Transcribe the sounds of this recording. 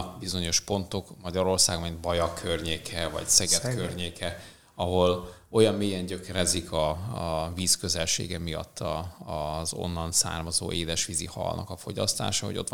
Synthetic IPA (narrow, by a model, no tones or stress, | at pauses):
bizo̞ɲo̞ʃpo̞nt̪o̞kmɒɟɒɾo̞rsaːɡmind̪bɒjɒkʰørɲeːkʰɛvɒ̰csɛɡɛt̪kørɲeːkʰɛ | ɒɦo̞l | o̞jɒmːeːjɛɲɟø̞kɛɾɛzikʰɒviːskø̞zɛlʃḛːɡɛmijɒ̰t̪ʰːɒː | zo̞̰nːɒnsa̰ːrmɒzo̰ːʔeːd̪ɛʃʋizihɒ̰lnɒ̰kɒfo̞ɟɒst̪a̰ːʃɒɦo̞̰ɟo̞t̪